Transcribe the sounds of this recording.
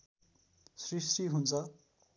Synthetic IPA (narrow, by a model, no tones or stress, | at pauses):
srisʈiɦunt͡sʰʌ